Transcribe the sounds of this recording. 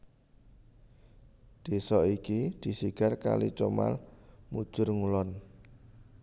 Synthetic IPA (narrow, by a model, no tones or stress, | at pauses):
d̪̥e̤sɔikid̪̥i̤siɡ̥a̤rka̰lḭt͡ʃoma̰lmud̥ʒ̥ʊ̤rŋulɔn